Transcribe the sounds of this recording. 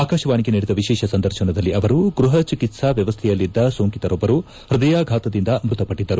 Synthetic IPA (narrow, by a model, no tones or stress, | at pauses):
aːkaːʃɐʋaːniɡeniːɽid̪ɐʋiʃɛːʃɐsɐnd̪ɐɾʃɐnɐd̪ɐlːiɐʋɐɾuɡɾuɦɐt͡ʃikit̪sɐʋjɐʋɐst̪ʰɛjɐlːid̪ːɐsoːŋkit̪ɐɾobːɐɾu | ɾid̪ɐjaːɡʱaːt̪ɐd̪ind̪ɐmɾut̪ɐpɐʈːid̪ːɐɾu